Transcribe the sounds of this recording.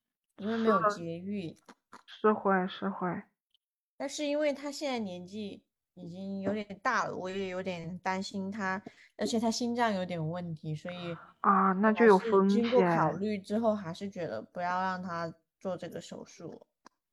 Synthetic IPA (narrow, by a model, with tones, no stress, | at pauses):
i˧˥wme˧˥ɪjo˨˩˧ʊt͡ɕjɛ˧˥y˥˩ | ʂɻ̩˥˧xwe˥˩ɪʂɻ̩˥˧xwe˥˩ɪ | t̪a˥˧nʂɻ̩˥˩i˥nwe˥˩ɪt̪ʰa˥ɕjɛ˥˧nt͡sa˥˩ɪnjɛ˧˥nt͡ɕi˥˩ | i˨˩t͡ɕi˥ŋjo˧˥ʊt̪jɛ˨˩nt̪a˥˩lə̰˩wɔ˧˩˥jɛ˧˩jo˧˥ʊt̪jɛ˨˩nt̪a˥nɕi˥nt̪ʰa˥ | ə˞˧˥t͡ɕʰjɛ˨˩t̪ʰa˥ɕi˥nʈ͡ʂɑ˥˩ŋjo˧˥ʊt̪jɛ˨˩nwə˥˩nt̪ʰi˧˥swɔ˧˥i˨˩ɐ˥˧na˥˧t͡ɕjo˥˩ʊjo˨˩ʊfə˥ŋt͡ɕi˥kwɔ˥ɛkʰɑ˨˩ʊly˥˩ʈ͡ʂɻ̩˥xo˥˩ʊxa˧˥ɪʂɻ̩˥˩t͡ɕɥɛ˧˥d̪ə̰˧pu˧˥jɑ˥˧ʊɻɑ˥˩ŋt̪ʰa˥ | t͡swɔ˥˧ʈ͡ʂɤ˥˩ɡə˩ʂo̰˨˩ʊʂṵ˥˩